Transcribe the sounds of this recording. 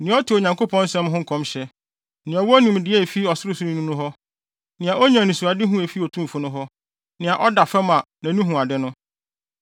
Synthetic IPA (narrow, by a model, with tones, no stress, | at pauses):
nɪ̃˨˦ɔ˦tʰɪ˨o˨ɲã˨ŋkʰo˦pʰɔ̃˦n˦sɛ̃˦mɦʊ̃˦˨kʰɔ̃˦mɕɛ˦ | nɪ̃˨ɔ˨wɔ˦nũ˨m˨dɪ˨˦ɛ˦˨fi˦ɔ˨sɪ˦ɾʊ˦sʊ˦nɪ̃˦nũ˦nʊ̃˦ɦɔ˦ | nɪ̃˨a˨ʔɔ˦ɲã˨nĩ˨su˨a˨dɪ˦ɦũ˦e˨fi˦o˨tʰũ˦˨fʊ˦nʊ̃˦ɦɔ˦ | nɪ̃˨a˨ʔɔ˦da˨fɛ˦mã˨nã˨nũ˦ɦũ˨a˨dɪ˦nʊ̃˦